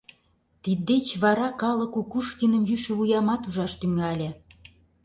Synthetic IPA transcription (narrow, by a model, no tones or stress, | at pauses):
t̪id̪ːet͡ɕβɑɾɑkɑlə̆kukuʃkinə̆mjyʃĕβujɑmɑt̪uʒɑʃt̪yŋɑlʲĕ